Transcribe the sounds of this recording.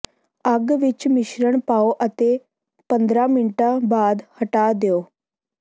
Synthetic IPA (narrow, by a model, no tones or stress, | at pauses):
aɡʋit͡ɕmiɕɾəɳpaoʔət̪e | pənd̪ɾaminʈabad̪həʈad̪jo